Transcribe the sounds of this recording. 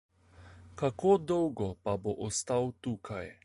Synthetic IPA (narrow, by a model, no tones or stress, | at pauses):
kakʰod̪owɡopaboʔost̪awt̪ukʰaj